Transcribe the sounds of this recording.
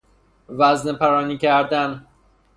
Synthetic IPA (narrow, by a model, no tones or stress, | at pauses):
væznepʰæɾɒːniːcʰæɾd̪æn